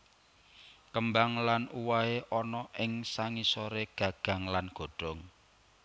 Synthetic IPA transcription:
kəmbaŋlanuwaeʔɔnɔʔɪŋsaŋisɔɾeɡ̥ä̤ɡ̥a̤ŋlanɡ̥o̤ɖ̥ɔ̤ŋ

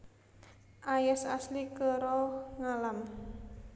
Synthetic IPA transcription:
ʔajɛsa̰slikəɾɔŋalam

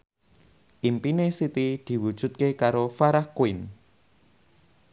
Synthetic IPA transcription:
ʔimpinesit̪id̪̥i̤wud̥ʒ̥ṳt̪̚kekaɾofaɾahkuɪn

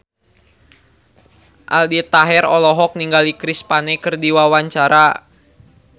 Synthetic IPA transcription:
ʔa̰ldit̪aɦɛɾɔlɔɦɔk̚niŋɡalikɾispanɛkərdiwawaɲt͡ʃaɾa

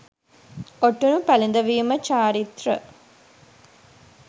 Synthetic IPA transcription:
oʈːunupɐlind̪ɐʋijumɐt͡ʃaːɾit̪rə̰

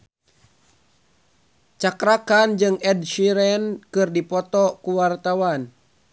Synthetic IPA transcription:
t͡ʃakɾakand͡ʒɨŋɛdʃiɾɛnkɨrdipɔt̪ɔkuwart̪awan

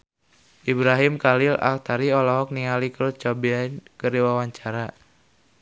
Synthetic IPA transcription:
ʔibɾaɦimkalila̰l̚t̪aɾiɔlɔɦɔk̚niŋalikəɾut̪̚t͡ʃɔbiankəɾiwawaɲt͡ʃaɾa

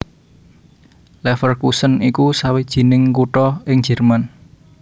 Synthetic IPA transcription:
lɛfərkusənikusawid̥ʒ̥i̤nɪŋkuʈɔɪŋd̥ʒ̥ɛ̤rman

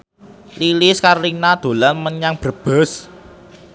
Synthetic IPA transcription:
lilɪskarlinad̪̥o̤lanməɲaŋb̥ə̤b̥ə̤s

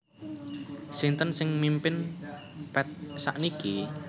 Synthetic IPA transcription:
sint̪ənsɪŋmimpɪn | pɛt̪̚sa̰ʔniki

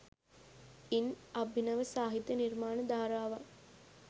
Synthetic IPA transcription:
inɐbːinəʋəsaːɦit̪ːjəniɾmaːnəd̪aːɾaːʋaŋ

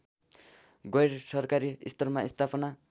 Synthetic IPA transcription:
ɡʌjɾsʌrkaɾiist̪ʌrmaist̪ʰapʰʌna

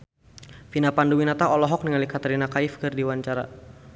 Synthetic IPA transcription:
finapanduwinat̪aɔlɔɦɔk̚nəŋalikat̪ɛɾinakaifkɨrdiwaɲt͡ʃaɾa̰

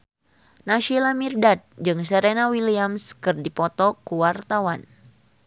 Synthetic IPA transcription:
naʃilamirdat̪̚d͡ʒɨŋsəɾenawiliamskɨrdipɔt̪ɔkuwart̪awan

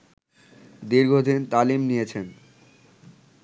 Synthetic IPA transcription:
d̪iɾɡʱod̪int̪alimnijet͡ɕʰen

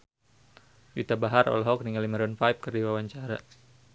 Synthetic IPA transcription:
wit̪abaɦarʔɔ̰lɦɔk̚niŋaliməɾɔnfajp̚kɨrdiwawaɲt͡ʃaɾa

